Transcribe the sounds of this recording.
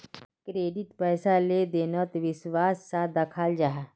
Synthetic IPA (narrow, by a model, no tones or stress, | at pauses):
kɾeːɖɪʈpɛːsaled̪eːnət̪ʋɪswaːsːad̪ɐkʰaːld͡ʒaːɦ